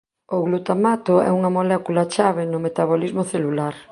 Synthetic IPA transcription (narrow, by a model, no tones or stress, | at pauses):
oɣlut̪amat̪ʊɛ̰uŋɐmolɛkulat͡ʃaβɪnʊmet̪aβolizmoθelulaɾ